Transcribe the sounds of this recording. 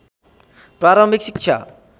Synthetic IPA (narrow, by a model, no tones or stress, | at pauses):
pɾaɾɔmbʱiksikʃʰa̰